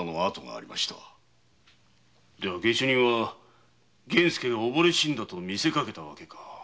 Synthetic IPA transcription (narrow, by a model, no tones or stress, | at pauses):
noat̪o̞ŋa̰ːɾʲimaɕi̥t̪a | d̪e̞βaɡe̞ɕoɲ̟iβa | ɡẽ̞ɰ̃sɨ̥ke̞ɡaobo̞ɾe̞ɕĩnd̪at̪o̞mʲise̞kake̞t̪aβa̰ke̞kʰḁ